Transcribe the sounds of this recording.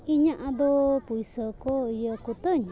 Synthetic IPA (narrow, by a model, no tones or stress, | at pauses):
iɲaʔad̪opuisəkɔjəkut̪əɲ